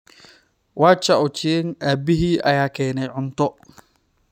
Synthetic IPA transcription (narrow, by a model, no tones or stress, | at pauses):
waːt͡ʃɐʔɔt͡ʃinʔaːbɪɦiːʔɐjaːkʰɛːnɛjʕʊnt̪ʰɔ